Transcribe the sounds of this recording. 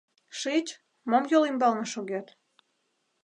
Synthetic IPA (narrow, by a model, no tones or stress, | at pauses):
ʃit͡ɕ | momjolimbɑlnɤ̆ʃoɣet̪